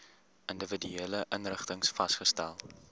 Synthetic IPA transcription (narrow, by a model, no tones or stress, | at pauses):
ʔəndəvədyeːləʔənrəχtəŋsfɐstχəstælˠ